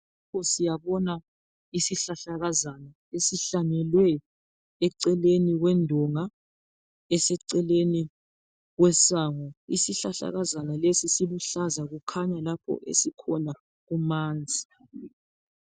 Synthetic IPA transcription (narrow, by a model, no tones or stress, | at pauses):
lapʰɔsijaβɔna | isiɬaɬaɣazana | esiɬanɛlwɛː | ǀɛleniɣwɛndʱɔŋa | ɛsɛǀɛleni | ɣwɛsaːŋɔisiɬaɬa̰ɣazanalesisiβuɬazaɣukʰaɲalapʰɔ̰ʔḛsikʰɔna | ɣumaːnd͡zʱi